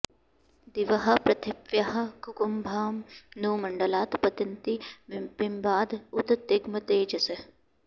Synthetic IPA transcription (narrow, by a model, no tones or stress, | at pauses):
d̪iʋɐɦɐ̆pɾɐt̪ʰipjɐɦɐ̆kukumbʱaːmnuːmɐɳɖɐlaːt̪pɐt̪ɐnt̪ibimbaːd̪ut̪t̪ːeɡmɐt̪eːd͡ʒɐsɐ